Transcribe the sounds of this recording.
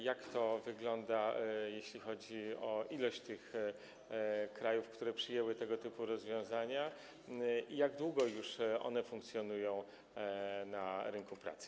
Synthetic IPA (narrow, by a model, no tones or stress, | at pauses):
jakt̪ɔvɘɡlɔnd̪ajeɕlʲixɔd͡ʑiɔʔilɔɕt͡ɕt̪ɘx | kɾajufkt̪uɾɛpʂɘjɛwɘt̪ɛɡɔt̪ɘpuɾɔzvʲjɔ̃w̃zaɲa | ʔijaɡd̪wuɡɔjuʂɔ̰nɛfuŋkt̪sʲjɔnujɔ̃w̃ | naɾɘŋkupɾa̰t̪sɘ̥